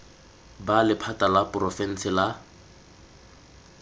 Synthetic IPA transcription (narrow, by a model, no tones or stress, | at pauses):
balɪpʰatalapʼrɔfɛn̩sɪla